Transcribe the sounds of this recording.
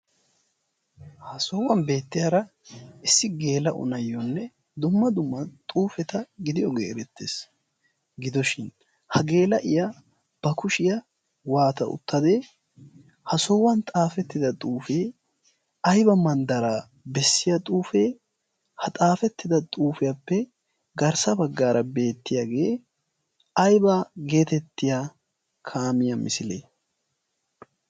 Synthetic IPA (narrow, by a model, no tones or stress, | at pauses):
hɐsɔwɐnbe̞ːt̪ːɪjɐɾɐ | ʔɪsːɪɡe̞ːlɐʔʊ̰nɐjːɔnːɛ | d̪ʊmːɐd̪ʊmːɐt̪ʼuːfɛt̪ɐɡɪd̪ɪjɔɡḛːɾɛt̪ːeːs | ɡɪd̪ɔʃɪn | hɐɡe̞ːlɐʔɪja | b̥ɐkʊʃɪjɐ | waːt̪ɐ̰ʔʊ̰t̪ːɐd̪e̞ː | hɐsɔwɐnt̪ʼaːfɛt̪ːɪd̪ɐt̪ʼuːfeː | ɐjbɐmɐnd̪ɐɾaː | bɛsːɪjɐt̪ʼuːfeː | hɐt̪ʼaːfɛt̪ːɪd̪ɐt̪ʼuːfɪjɐpːɛ | ɡɐɾsɐbɐɡːaːɾʔɐbe̞ːt̪ːɪjaːɡe̞ː | ɐjbaɡe̞ːt̪ɛt̪ːɪjaː | kʰaːmɪjɐmɪsɪleː